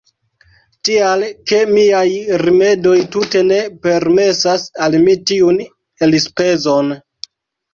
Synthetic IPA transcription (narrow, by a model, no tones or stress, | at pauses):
tialke̞miajɾime̞do̞jtute̞ne̞pe̞ɾme̞sasalmitiun | e̞lispe̞zo̞n